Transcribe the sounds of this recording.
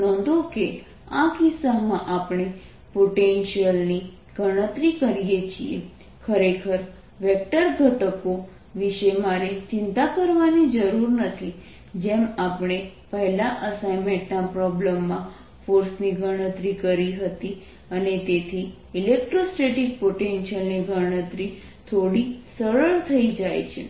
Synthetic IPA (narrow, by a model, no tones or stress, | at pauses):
nɔ̃nd̪oke | akisamãʔapɽ̃e | poʈenʃiəlni | ɡ̥ʱəɽ̃ə̃t̪ɾikəɾijet͡ʃʰiḛ | kʰəɾekʰəɾ | ʋek̚ʈəɾɡʱəʈəko | ʋiʃemaɾet͡ʃɪnt̪akəɾʋanid͡ʒəɾuɾnət̪ʰi | d͡ʒemapɽ̃epəɦɛlaʔəsajmẽʈnapɾɔbləmːã | foɾsniɡʱəɽ̃ə̃t̪ɾikəɾiɦət̪i | ənet̪et̪ʰi | ilek̚ʈɾosʈeʈik̚poʈenʃəlniɡʱəɽ̃ət̪ɾi | t̪ʰoɽisəɭəɭt̪ʰəid͡ʒajt͡ʃʰḛ